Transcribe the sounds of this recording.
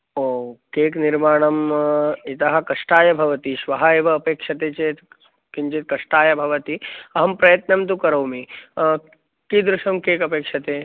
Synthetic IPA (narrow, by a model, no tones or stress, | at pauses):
oːkeːkniɾmaːɳ̃ɐmit̪ɐɦɐ̆kɐʂʈaːjɐbʱɐʋɐt̪iʃʋɐɦɐeːʋɐːpeːkʂɐt̪eːt͡ʃeːt̪ | kiɲt͡ʃit̪̚kɐʂʈaːjɐbʱɐʋɐt̪iɐɦɐmpɾɐjɐt̪nɐmt̪ukɐɾɐwmi | kid̪ɾuʃɐmkeːkɐpeːkʂɐt̪eː